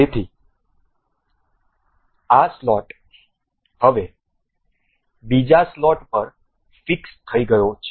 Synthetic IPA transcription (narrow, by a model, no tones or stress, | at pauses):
et̪ʰi | aslɔʈ | həʋe | bid͡ʒaslɔʈpəɾ | fɪkst̪ʰəiɡəjot͡ʃʰe